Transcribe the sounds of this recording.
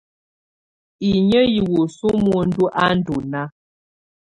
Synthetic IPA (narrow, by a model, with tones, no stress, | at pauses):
i˨ɲə˦ji˨wu˨su˦mu˨n̩˦du˦ʔa˦n̩˦du˨na˦